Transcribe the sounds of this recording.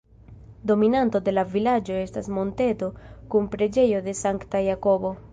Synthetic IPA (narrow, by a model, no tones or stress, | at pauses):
do̞minanto̞de̞lavilad͡ʒo̞e̞stasmo̞nte̞to̞kunpɾe̞d͡ʒe̞jo̞de̞saŋktajako̞bo̞